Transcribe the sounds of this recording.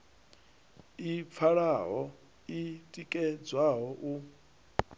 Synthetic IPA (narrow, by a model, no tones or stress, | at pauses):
ip̪fʰaɺaɦɔ | itʼikʼɛd͡zwaɦɔʔu